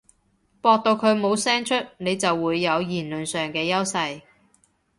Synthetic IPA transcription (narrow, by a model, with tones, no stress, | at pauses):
pɔː˧k̚t̪o˧wkʰɵ˨˧ɥmo˨˧wsɛː˥ŋt͡ʃʰɵ˥t̚ne˨˧jt͡sɐ˨wːuː˨˧jːɐ˨˧wjiː˨˩nlɵ˨nsœː˨ŋkɛː˧jɐ˥wsɐ˧j